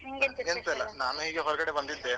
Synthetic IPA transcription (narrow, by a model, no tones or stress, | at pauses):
ent̪ɐlːɐnaːnuɦiːɡeɦɔɾɐɡɐɽebɐnd̪id̪ːe